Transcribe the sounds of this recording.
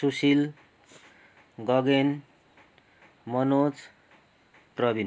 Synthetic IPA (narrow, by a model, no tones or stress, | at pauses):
susil | ɡʌɡen | mʌnot͡s | prʌbin